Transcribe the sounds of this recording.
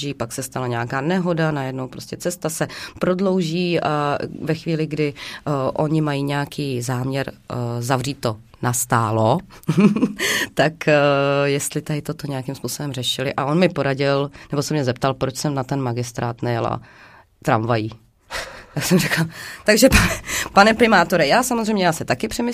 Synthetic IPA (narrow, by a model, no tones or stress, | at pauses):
iːpaksɛst̪alaɲɛakaːnɛɦo̞danajɛdno̞wpɾo̞scɛt͡sɛst̪asɛpɾo̞dlo̞wʒiːʔavɛxviːlɪɡdɪʔo̞ɲɪmajiːɲɛakʰiːzaːmɲɛɾzavriːt̪ːo̞ | nast̪aːlo | t̪akjɛst̪lɪt̪adɪt̪o̞t̪o̞ɲɛjakɪmspuːso̞bɛmrɛʃɪlɪʔaʔo̞nmɪpo̞ɾaɟɪlnɛbosɛmɲɛzɛp̚t̪alpɾot͡ʃsɛmnat̪ɛnmaɡɪst̪ɾaːt̪nɛjɛla̰ | t̪ɾamvajiː | t̪aksɛmrɛkat̪aɡʒɛpanɛpanɛpɾɪmaːt̪o̞ɾɛjaːsamozrɛjmɲɛjaːsɛt̪akɪpr̥ɛmɪ